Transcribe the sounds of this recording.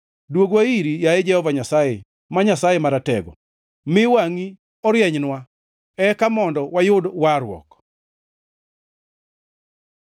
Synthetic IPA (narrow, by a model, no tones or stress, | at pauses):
dwoɡwaiɾijaed͡ʒɛhɔvaɲasajɛ | maɲasajɛmaɾatɛɡɔ̰ | mɪwaŋi | ɔɾjɛɲnwa | ɛkamɔndɔwajʊdwaɾwɔ̰k